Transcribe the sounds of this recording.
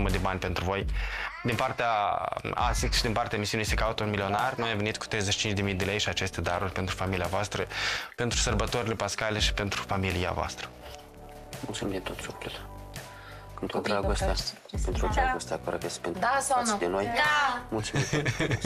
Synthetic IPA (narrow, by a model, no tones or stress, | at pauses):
uməd̪e̞banʲpe̞nt̪ɾuvo̞jd̪inpart̪eaa̰siʃid̪inpart̪eaemisiunisekaut̪əunmilio̞narnojamvenit̪̚ku̥t̪ɾe̞jzeʃit͡ʃint͡ʃd̪emijd̪e̞le̞jʃiat͡ʃe̞st̪e̞d̪aɾurʲpe̞nt̪ɾufamiliavoast̪ɾəpe̞nt̪ɾusərbət̪o̞ɾile̞paskaleʃi̥pe̞nt̪ɾufamilija̰voa̰st̪ɾə̥ | mult̪sumimd̪et̪ot̪fokut̪ | pent̪ɾud̪ɾaɡost̪ea | pent̪ɾud̪ɾaɡost̪eakoɾokespent̪asand̪enojmult̪sum